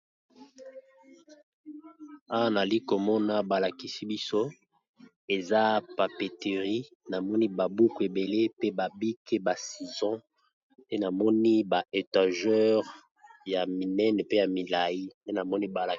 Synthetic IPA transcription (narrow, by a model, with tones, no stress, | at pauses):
a˦wa˦na˨li˦ko˨mɔ˦na˦ba˨la˨ki˨si˦bi˦so˦ | e˨za˦pa˨pe˨te˨ʁi˦ | na˨mɔ˦ni˦ba˨bu˦ku˨e˨be˨le˦pe˦ba˨bi˦ke˦ba˨si˨zɔ̃˦ | nde˦na˨mɔ˦ni˦ba˨e˨ta˨ʒɛ˦ʁ | ja˨mi˨nɛ˦nɛ˨pe˦ja˨mi˨la˨ji˦nde˦na˨mɔ˦ni˦ba˨la˨